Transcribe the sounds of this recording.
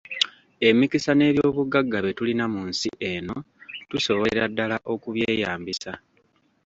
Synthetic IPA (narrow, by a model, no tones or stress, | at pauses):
e̞mikisane̞ːβjo̞ːβuɡaɡːaβe̞tulinamunsiʔe̞no̞ | tuso̞βoɾadːalaʔo̞kuβje̞ːjaːmbisa